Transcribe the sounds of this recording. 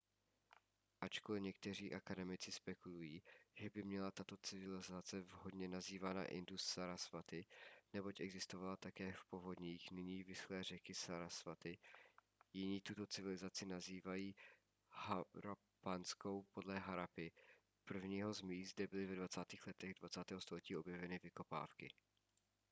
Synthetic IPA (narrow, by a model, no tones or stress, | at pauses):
ʔat͡ʃkolɪɲɛk̚t̪ɛr̝iːʔakadɛmɪt͡sɪspɛkulujiːʒɛbɪmɲɛlat̪at̪o̞t͡sɪvɪlɪzat͡sɛvɦo̞dɲɛnaziːvaːna̰ʔɪ̰ndusːaɾasfat̪ɪnɛbo̞cʔɛɡzɪst̪o̞valat̪akɛːfpo̞vo̞dɲiːxnɪɲiːvɪslɛːr̝ɛkɪsaɾasvat̪ɪ | jɪɲiːt̪ut̪o̞t͡sɪvɪlɪzat͡sɪnaziːvajiː | haɾo | pansko̞wpo̞dlɛɦaɾapɪ | pr̩vɲiːɦo̞zmiːzdɛbɪlɪvɛdvat͡saːt̪iːxlɛt̪ɛɣdvat͡saːt̪ɛːɦost̪o̞lɛciːo̞bjɛvɛnɪvɪko̞pa̰ːfkɪ